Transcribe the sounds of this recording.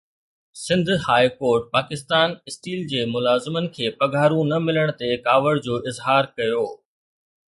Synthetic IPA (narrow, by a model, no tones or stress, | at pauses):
sɪ̃nd̪ʱhaːikoːɾʈ̚paːkɪst̪aːnɪsʈiːld͡ʑeːmʊlaːzɪmənɪ̆kʰeːpɐɡʱaːɾũnɐmɪləɽ̃t̪ekaːʋəɽd͡ʑoːʔɪzɦaːɾkɐjoː